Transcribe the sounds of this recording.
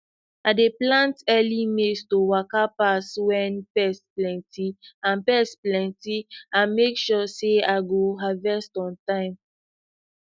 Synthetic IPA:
adeplãntɛlimestowakapaswɛ̃npɛsplɛ̃ntiãnpɛsplɛ̃ntiamekʃɔseaɡoɦavɛstɔ̃ntãɪ̃m

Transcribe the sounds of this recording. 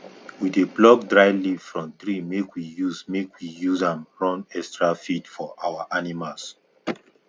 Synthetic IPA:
wideblɔk̚dɹaɪlivfɹɔ̃mtɹimekwijusmekwijuzãnɹɔ̃nɛkstɹafitfɔʔawaʔanimals

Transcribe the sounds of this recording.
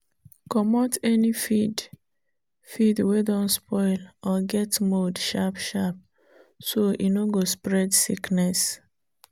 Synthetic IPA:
kɔmɔtɛnifid | fidwedɔ̃nspɔɪlɔɡɛtmodʃapʃap̚ | soʔinoɡospɹɛdsiknɛs

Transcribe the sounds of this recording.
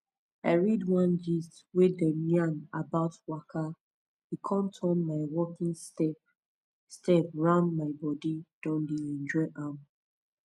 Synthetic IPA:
aɪɹidwãnd͡ʒistwedɛmjanabaʊtwakʰa | hikʰɔ̃mtʰɔ̃nmaɪwɔkĩŋstɛp | stɛpɹãʊ̃ndmaɪbɔdid̥ɔ̃ndeɛ̃nd͡ʒɔɪʔam

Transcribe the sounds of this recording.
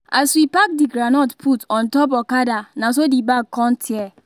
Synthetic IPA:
aswipak̚diɡɾanɔtpʰutɔ̃ntɔp̬ɔkadanas̬odibaɡ̚kːɔ̃ntʰjɛ

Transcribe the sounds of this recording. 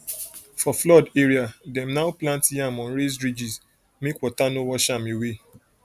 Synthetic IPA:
fɔflɔdeɹiadɛ̃mnaʊplãntjãmɔ̃nɾezɹid͡ʒis | mekwɔtanowɔʃamewe

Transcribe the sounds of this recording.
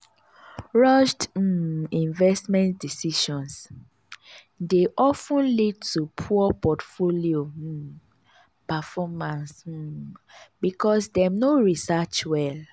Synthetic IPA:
ɹɔʃd̩ĩnvɛstmɛ̃ntdisiʃɔ̃ns | deʔɔfũnlid̚tupʰupɔtfolio | pafɔmãns̩ | bikʰɔsdɛnoɹisat͡ʃwɛl

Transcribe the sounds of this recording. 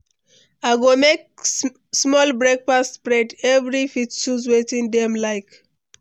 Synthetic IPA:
aɪɡomek̚ | smɔlbɹek̚fastːpɹɛdɛvɹifitʃuzwetĩndɛ̃mlaɪk

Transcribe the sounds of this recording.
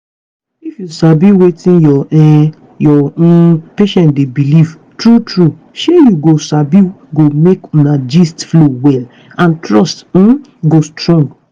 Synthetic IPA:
ifjusabiwetĩnjɔ | jɔ̃peʃɛ̃ntdebiliv̥ | tɹutʰɹu | ʃejuɡosabiɡomeknad͡ʒistflowɛl | ãntɹɔst̩ | ɡostɹɔ̃ŋɡ

